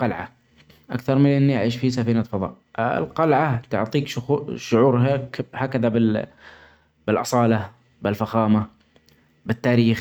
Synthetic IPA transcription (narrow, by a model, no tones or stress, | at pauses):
qɑlʕa̰ | ʔa̰kθɑɾˤmɪlʔɪnːiʔa̰ʕiːʃfis̬afiːnaːt̪fɑðˤɑ̰ːʔ | ɪ̰lqɑlʕat̪ʊ̰ʕt̪ˤiːkʃʊxʃʊʕuːɾɦakhaːkaðabɪ | b̥ɪlʔɑ̰sˤɑːla | bɪlfaxaːma | bɪt̪ːaːɾiːx